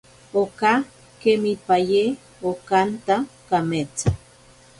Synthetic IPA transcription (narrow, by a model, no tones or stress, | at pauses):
oka | kemipaje | okant̪akamet͡sa